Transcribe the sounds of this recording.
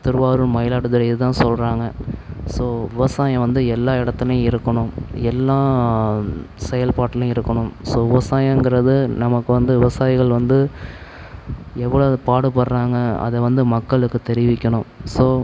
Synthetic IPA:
t̪ɪɾɯʋaːɾɯmɐjɪlaːɽɯðɐlɐɪðɯt̪ãːsɔlɾaːŋɡɐsoːʋɪʋɐsaːjɐ̃ʋɐnd̪ɯɛlːaːɪɽɐt̪ːɐlɐj̃ɪɾɯkːɐɳʊ̃ɛlːãː | sɛjɐlpaːʈːɐlʊ̃ɪɾɯkːɐɳʊ̃msoːʋɪʋɐsaːjɐ̃ɛŋɡɯɾɐðɯnɐmɐkːɯʋɐnd̪ɯʋɪʋɐsaːjɪɣɐɭʋɐnd̪ɯ | ɛʋːɐɭopaːɽɯpɐɾɾaːŋɡɐɐ̰ðɛʋɐnd̪ɯmɐkːɐɭɯkːɯt̪ɛɾɪʋɪkʲːɐɳʊ̃msoː

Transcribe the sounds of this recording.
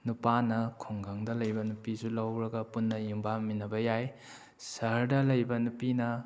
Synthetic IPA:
nupanɐkʰoŋɡaŋdɐlɐjbɐnupisulɐwɾɐɡɐpunːɐjumbaminːɐbɐjaj | sɐɾdɐlɐjbɐnupinɐ

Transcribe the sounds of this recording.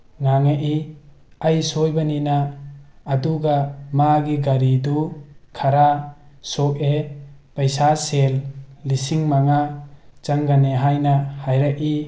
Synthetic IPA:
ŋaŋaʔi | ajsojbaninaː | duɡamaɡiɡaɾidukʰaɾasok̚epajsaselːisiŋmaŋat͡ʃaŋɡaneɦajnahajɾak̚i

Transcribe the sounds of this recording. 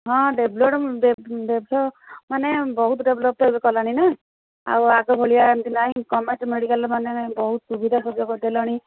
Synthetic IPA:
ɦɔ̃ɖebʱloʈɖeɖeblɔmanebɔɦut̪ɔɖeblɔp̚t̪ɔebekɔlaɽ̃ina | a̰waɡɔbʱoɭijaent̪inaĩkɔmeʈmeɽikalɔmanebɔɦut̪subid̪ʱasɔbd͡ʒɔkɔd̪elaɽ̃i

